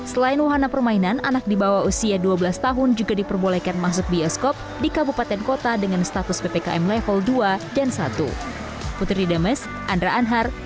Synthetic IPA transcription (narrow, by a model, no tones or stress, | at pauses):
səlaɪnwaɦanapərmainanʔanak̚dibawausiaduabəlast̪aɦʊnd͡ʒuɡadipərbolɛkanmas̬ʊk̚biɔskɔp̚ | dikabupat̪ɛnkot̪adəŋanst̪at̪ʊsbepeka̰ʔɛmlɛfəlduadansa̰t̪ṵ | put̪ɾidəməs | ʔandɾaʔanɦar